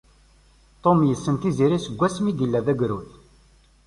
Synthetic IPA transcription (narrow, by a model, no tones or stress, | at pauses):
t̪ˤomjəsːənt̪iziɾisəɡʷːæsmid̪ilːæðæɡɾuθ